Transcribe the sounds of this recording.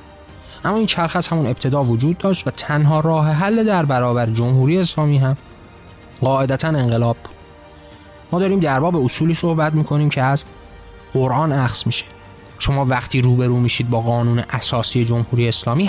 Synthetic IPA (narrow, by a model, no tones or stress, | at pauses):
ʔæmːɒːiːnt͡ʃʰæɾxæshæmune̞b̚t̪ʰe̞d̪ɒːvod͡ʒuːd̪̚ːɒːʃt̪væt̪ʰænɦɒːɾɒːɦeɦælːe̞d̪æɾbæɾɒːbæɾed͡ʒomhuːɾiːjeːslɒːmiːɦæm | ɢɒːʔe̞d̪æt̪ʰæne̞ŋɢe̞lɒːb̚bu̥d̪̥̚ | mɒːd̪ɒːɾiːmd̪æɾbɒːbeosuːliːso̞hbæt̪miːkʰo̞niːmcʰeæz | ɢoɾʔɒːnæxsmiʃe̥ | ʃo̞mɒːvæχt̪ʰiːɾuːbe̞ɾuːmiːʃiːd̪̚bɒːɣɒːnuːneʔæsɒːsiːje̞d͡ʒo̞mhuːɾiːjeːslɒːmiː